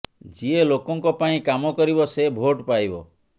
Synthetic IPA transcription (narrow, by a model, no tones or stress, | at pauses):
d͡ʒielokɔŋkɔpaĩkamɔkɔɾibɔsebʱoʈpajbɔ